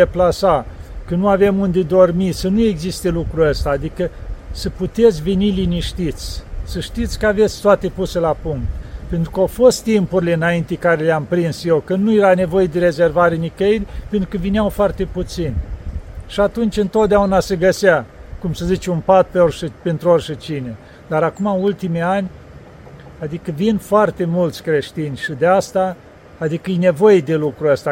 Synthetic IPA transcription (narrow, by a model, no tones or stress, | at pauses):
eplasakənuave̞mund̪ed̪o̞rmisənue̞ɡzist̪elukɾuəst̪aːd̪ikəsəput̪e̞t̪sʲveniliniʃt̪it̪sʲsəʃt̪it̪sʲkəave̞t̪sʲt̪oat̪epuselapuŋk̚t̪pe̞nt̪ɾukawfo̞st̪ːimpuɾile̞ɨnaint̪ekaɾeleampɾinsje̞wkənujeɾane̞vo̞jed̪e̞ɾe̞ze̞rvaɾenikəilʲpent̪ɾu̥kəvineawfoart̪e̞put̪sinʲ | ʃiat̪unt͡ʃʲɨnt̪o̞t̪̚d̪eaunase̞ɡəseakumsəzit͡ʃeunpat̪̚peorʃpent̪ɾuorʲʃət͡ʃine | d̪aɾakumault̪imianʲ | ad̪ikəvinfoart̪e̞mult̪sʲkɾe̞ʃt̪inʲʃid̪east̪aː | d̪ikəijne̞vo̞jed̪e̞lukɾuəst̪a